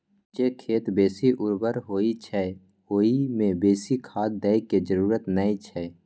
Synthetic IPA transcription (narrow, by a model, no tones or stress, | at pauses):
d͡ʒekʰeːt̪beːsiʔʊɾbəɾɦoːit͡ʃʰɛ | ɦoːimẽbeːsikʰaːd̪̚d̪ɛɪked͡ʒəɾuːɾət̪nəit͡ʃʰɛː